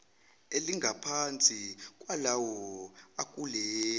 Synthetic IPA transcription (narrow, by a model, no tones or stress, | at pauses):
eliŋɡʱapʰant͡sʼikʼwalawɔakʼulɛ